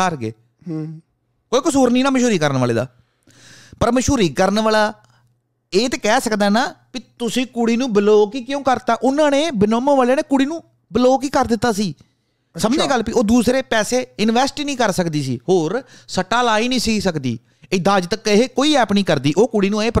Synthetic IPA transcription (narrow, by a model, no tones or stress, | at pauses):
əɾɡḛː | koːiːkʊsuːɾniːnãːməʃuːɾiːkəɾnʋaːlḛːd̪a̰ː | pəɾməʃuːɾiːkəɾnʋaːlaː | eːt̪eːkɛːsəkd̪aːnaːpit̪ʊsĩːkuɽiːnũːbəloːkiːkjõːkəɾt̪aːʔʊnãːneːbɪnoːmə̃ːʋaːleːneːkʊɽiːnũː | bəloːkiːkəɾd̪ɪt̪ːaːsiː | səməd͡ʒẽːɡəlːpiːʔoːd̪uːsɾeːpɛːseːɪnʋɛːsʈinĩːkəɾsəkd̪iːsḭːhoːɾsəʈːaːlaːiːnĩːsiːsəkd̪ḭː | ed̪aːd͡ʒt̪əkɦeːkoːiːɛːpnĩːkəɾd̪iːʔoːkuɽiːnũːeːp